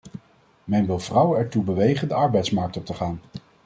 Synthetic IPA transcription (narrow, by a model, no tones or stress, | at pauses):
mɛnʋɪlˠv̥rʌwəɛɹtubəʋejχəndəɑɹbɛjtsmɑɹk̚tɔp̚təχaːn